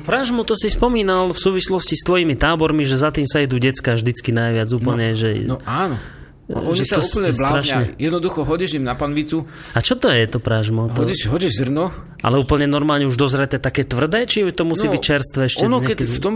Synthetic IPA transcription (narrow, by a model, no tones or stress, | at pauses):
pɾaʒmɔt̪ɔsispɔmiːnalfsuːʋislɔscist̪ʋɔjimit̪aːbɔɾmiʒɛzat̪iːmsaɛd̪uːɟɛt͡skaːvʒd̪it͡skinajʋɪad͡zuːpl̩ɲɛʒɛnɔaːnɔ | ɔnisɔplɲɛblaɾaʃɲɛjɛd̪nɔd̪uxɔɦɔɟɛʒimnapanʋit͡su | at͡ʃɔt̪ɔjɛt̪ɔpɾaʒmɔtɦ̪ɔɟiʃɦɔɟiʒzr̩nɔ | ʔa̰lɛuːpəl̩ɲɛnɔɾmaːlɲɛuʒd̪ɔzɾɛt̪ɛːt̪akɛːt̪ʋr̩d̪ɛːt͡ʃit̪ɔmusiːbict͡ʃɛɾst̪ʋɛːɛʃcɛnɔɲɛkɛt̪ɔm